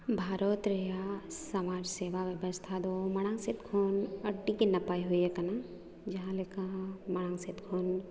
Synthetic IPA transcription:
bʱaːɾot̪ɾejasɐmaːd͡ʒseːʋaʋjɐbəst̪ʰad̪omɐɽ̃ãŋsɪt̪kʰoːnɐʈːikinɐpaːiɦoiekɐna | d͡ʒɐɦãlekãmɐɽ̃ãːŋsɪt̪kʰoːn

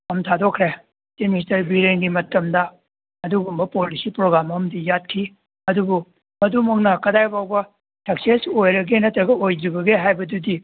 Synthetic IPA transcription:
kɐmtʰadokʰːɾe | temistɐɾbiɾeŋɡimɐtɐmdɐ | ɐduɡumbɐpolisipɾoɡɾamɐmdijat̚kʰi | ɐdubu | mɐdumɐknɐkɐdajbawbɐ | tʰɐk̚sesojɾɐɡenɐtɾɐɡɐojd͡ʒɾibɐɡeɦajbɐdudi

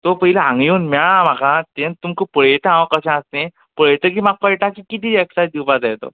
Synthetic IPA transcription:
t̪opəɦilaãŋɡjuːnmɛɭam̤akʰat̪ent̪umkəpəɭet̪ãʋkəɕãəst̪ẽ | pəɭet̪ək̬iːmak̚pəɭʈakikit̪ieksad̪iwpad͡zajt̪o̰

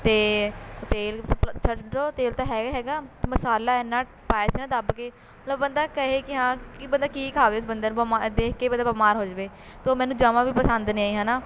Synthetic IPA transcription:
t̪eːt̪eːlpt͡ʃʰəʈɖɾoːt̪eːlt̪ãːɦɛːɡaːɦɛːɡaːt̪eːməsaːlaːɛnːãː | paːjaːsiːnãːd̪əbkeː | məət̪ləbːənd̪aːkəɦeːkɪɦãːkɪbənd̪aːkiːkʰaːʋeːʊsbənd̪ənbəmaːd̪eːkʰkeːbənd̪aːbəmaːɾɦoːd͡ʒbeː | t̪oːmɛ̃ːnũːd͡ʒaːʋãːbiːpəsənd̪niːaːiːɦãːnaː

